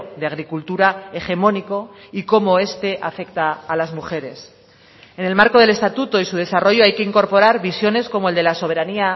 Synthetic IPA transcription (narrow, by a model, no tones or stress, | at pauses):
d̪eaɣ̞ɾikult̪uɾae̞χe̞mo̞niko̞iko̞mo̞e̞st̪e̞ʔafe̞kt̪aːlazmuxe̞ɾe̞s | e̞ne̞lmaɾko̞ðe̞le̞st̪at̪ut̪o̞isuð̞e̞saro̞ʝoajkeiŋko̞ɾpo̞ɾaɾβisjo̞ne̞sko̞mo̞eld̪e̞laso̞β̞e̞ɾania